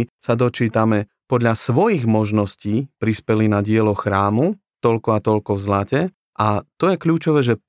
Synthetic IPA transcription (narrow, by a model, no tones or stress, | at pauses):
sad̪ɔt͡ʃiːt̪amɛ | pɔd̪ʎasʋɔjiɣmɔʒnɔsciːpɾispɛlinaɟɪɛlɔxɾaːmu | t̪ɔlkɔat̪ɔlkɔvzlacɛ | ʔat̪ɔjɛkʎuːt͡ʃɔʋɛːʒɛ